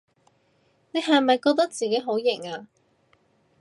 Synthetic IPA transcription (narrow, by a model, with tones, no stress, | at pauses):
ne˨˧jɦɐ˨jmɐ˨jkɔː˧k̚t̪ɐ˥k̚t͡siː˨ke˨˥jɦo˨˥wjɪ˨˩ŋaː˧